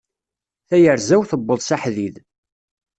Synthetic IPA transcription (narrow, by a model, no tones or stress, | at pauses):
θæjəɾzæwθəbːəðˤsaħðið